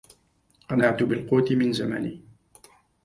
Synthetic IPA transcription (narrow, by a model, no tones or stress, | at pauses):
ʔɑnaʕt̪ʊbɪlquːt̪ɪmɪnzama̰niː